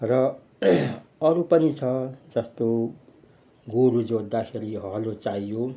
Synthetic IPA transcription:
rʌ | ʌɾupʌnit͡sʰʌd͡zʌst̪o | ɡoɾud͡zod̪ːakʰeɾiɦʌɦlot͡saijo

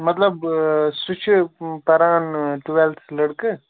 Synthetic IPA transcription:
mɐt̪ləbsut͡ʃʰupɐɾaːnʈuʋelslɐɽkɨ

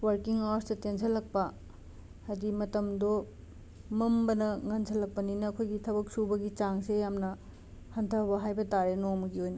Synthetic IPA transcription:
wɐɾkiŋawɾstɐtensʰɐlɐk̚pɐ | hɐdimɐtɐmdo | mɐmbɐnɐŋɐnsʰɐlɐk̚pɐninɐːkʰojɡitʰɐbɐk̚subɐɡit͡ʃaŋsejamnɐ | hɐntʰɐbɐɦajbɐtaɾenomɐɡiojnɐ

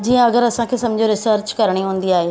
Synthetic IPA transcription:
d͡ʑiːə̃ɐɡəɾɐsãkʰeːsɐ̃md͡ʑʱoɾɪsəɾt͡ɕkɐɾɽ̃iɦũːnd̪iaːɦeː

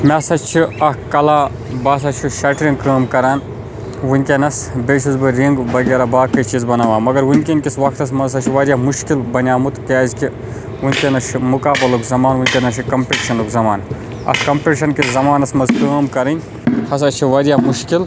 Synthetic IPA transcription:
mʲasɐt͡ʃʰiɐkɐlaː | bɐːs̬ɐt͡ʃʰiʃɐʈɾiŋɡkəːmkɐɾaːn | wunʲkʲenɐsbeːt͡ʃʰizbɨɾiŋɡbɐɡʲeːɾaːbaːkɐt͡ʃiːzbɐnaːʋãːmɐɡɐɾwunʲkʲenʲkʲisʋɐkʰt̪ɐsmɐzɐt͡ʃʰiʋɐːɾʲjaːmuʃkilbɐnʲjaːmut̪kɛːzʲkʲi | unʲkʲenɐʃimukaːbɐlukzɐmaːnwunʲkʲenɐʃʰikɐmpeːʈʃɐnukzɐmaːn | ɐ̰skɐmpʲeʈʃɐnkʲiszɐmaːnɐsmɐzkəːmkɐɾɨnʲ | hɐs̬ɐt͡ʃʰiʋɐːɾʲjaːmuʃkil

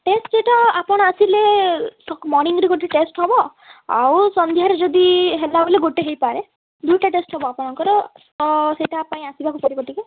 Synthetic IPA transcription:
ʈesʈd͡ʒeʈaapɔɽ̃ɔasilesɔkmɔɾniŋɡɔɾiɡoʈiʈesʈɦɔbɔ | a̰wsɔnd̪ʱiɦaɾed͡ʒɔd̪iɦelabɔleɡoʈeɦejpaɾe | d̪ujʈaʈesʈɦɔbɔapɔɽ̃ɔŋkɔɾɔ | seʈapaĩasibakupɔɾikɔʈike

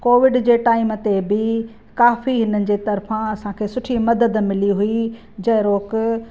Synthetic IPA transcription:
koːʋɪɖd͡ʑeːʈaːɪmt̪ebɪ | kaːfiɦɪnənɪ̆d͡ʑeːt̪ɐɾfãɐsãkʰeːsʊʈʰimɐd̪əd̪mɪliɦʊi | d͡ʑɐɦɾoːk

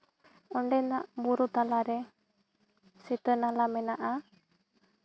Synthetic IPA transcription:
ɔɳɖɛnaʔbuɾut̪alaɾɛ | sit̪ənalamɛnaʔa

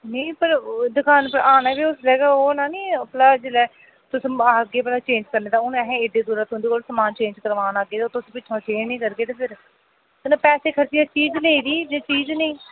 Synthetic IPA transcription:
nəĩːpəɾd̪ʊkʰaːnpəɾʔaːnaːbiːʊslɛːɡaːoːnaːnĩːplaːd͡ʒɪlɛː | t̪ʊsĩɡeːplaːt͡ʃẽːnd͡ʒkəɾneːd̪aːʊnɛːɦɛ̃ɪɖeːd̪uːɾaːt̪ʊʊ̃nd̪eːkoːlsəmaːnt͡ʃẽːnd͡ʒkəɾʋaːnaːɡeːt̪ːt̪ʊsĩːpɪt͡ʃʰõːt͡ʃẽːd͡ʒnĩːkəɾɡeːt̪eːpʰɪɾ | t̪nãːpɛːseːkʰəɾt͡ʃiːɛːt͡ʃiːd͡ʒleːiːd̪iːd͡ʒeːt͡ʃiːd͡ʒnəĩː

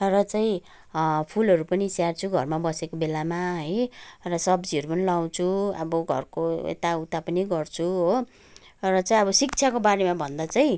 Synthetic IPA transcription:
rʌt͡saĩ | pʰulɦʌɾupʌnisjart͡sʰuɡʱʌ̰rmabʌsekobelamaɦʌjrʌsʌbd͡ziʌɾupʌnilaw̃t͡sʰuʌ̰bʌɡʱʌ̰rkoḛt̪aut̪apʌniɡʌrt͡sʰuɦo | rʌt͡saĩʌbʌsik̚t͡sʰakobaɾemabʱʌnd̪at͡saĩ

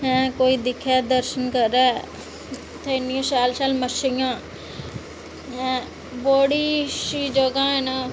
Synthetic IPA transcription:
ɛ̃ːkoːid̪ɪkʰɛd̪əɾʃənkəɾɛː | t̪ʰenijə̃saːlsaːlməʃɪjãː | ɛ̃ | boːɽiʃid͡ʒəɡãːẽna

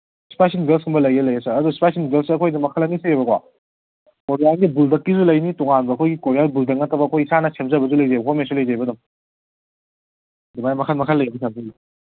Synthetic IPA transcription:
si̥pajsinɡelshumbɐlɐjɐlɐjɐsɐːdusi̥pajsinɡelsiɐkʰojdɐmɐkʰalɐnisijebɐkʰwa̰ | koɾijalɡibuldɐkːizulɐjnitɔŋanbɐɐkʰojɡikoɾijalbuldɐkːɐtɐbɐɐkʰojisanɐsemzɐbɐzulɐjzajbɐkʰomensulɐjzajbɐdɐm | dumajmɐkʰatmɐkʰalːɐjebisʰab̚ziɡi

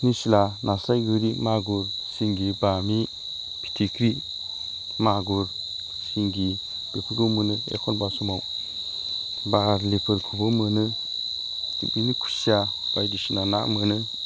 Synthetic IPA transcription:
nisilanasajɡɯɾimaɡuɾ | siŋɡibami | pʰi̥tʰikʰɾi | maɡuɾ | siŋɡi | b̥epʰɯɾɡɯmɯnɯḛkʰɔnbasɔmaw | baɾlepʰɯɾkʰubɯmɯnɯ | tḭkinikʰu̥sia | b̥ajdisinana̰mɯnɯ

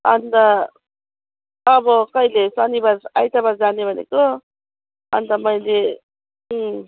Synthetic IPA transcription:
ʌ̰nt̪ʌ | bʌkʌilesanibaɾa̰jt̪abaɾd͡zanebʱʌnḛko | ʌ̰nt̪ʌmʌjle

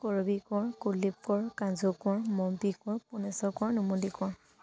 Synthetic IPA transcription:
kɔɹɔbikɔɹkulip̚kɔɹkãzɔkɔɹmɔmpikɔɹpunɛsɔkɔɹnumulikɔɹ

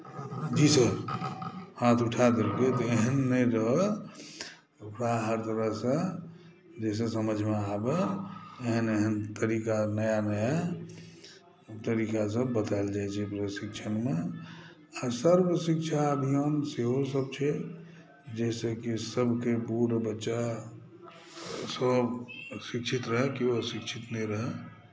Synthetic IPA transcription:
d͡ʒisəɾ | hãt̪ʰuʈʰad̪əɾket̪ɔeɦənːəjɾəɦə | ukɾaɦəɾt̪əɾəɦsə̃ | d͡ʒes̬ẽsəməd͡ʒʱmeabeeɦəneɦənt̪əɾikanəjanəja | t̪əɾiːkas̬əbːət̪ald͡ʒajt͡ʃʰɛpɾəsikt͡ʃʰənme | asəɾbəsik̚t͡ʃʰaəbʱijonseɦosəb̚t͡ʃʰɛ | d͡ʒɛsekisəbʱkepuɾbətːʃa | səbsikt͡ʃʰit̪ɾəɦɛkiosikt͡ʃʰit̪nəiɾəɦɛ

